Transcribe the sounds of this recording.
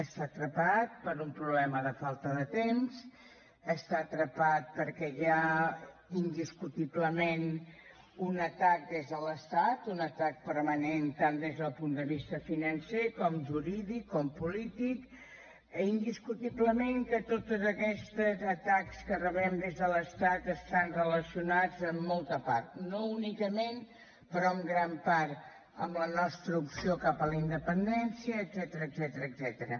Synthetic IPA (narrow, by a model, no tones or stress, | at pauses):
əst̪at̪ɾəpat̪̚pəɾumpɾuβlɛməðəfalˠt̪əðət̪emz | əst̪aːt̪ɾəpat̪̚pəɾkɛa | ind̪iskut̪iβləmen | unət̪ak̚d̪ezðələst̪at̪unət̪ak̚pəɾmənent̪and̪ezðəlˠpund̪əβist̪əfinənsekɔmʒuɾiðikːɔmpulit̪ik | ind̪iskut̪iβləmeŋkət̪ot̪əzəkɛst̪əzət̪akskərəβɛmd̪ezðələst̪at̪əst̪anrələsiunad͡zəmːɔlˠt̪əpa̰ɾt̪nounikəmen | pəɾɔəmɡɾampaɾ | əmlənɔst̪ɾəupsiokapələind̪əpənd̪ɛnsiəːdzɛt̪əɾəːzɛt̪əɾəːzɛt̪əɾə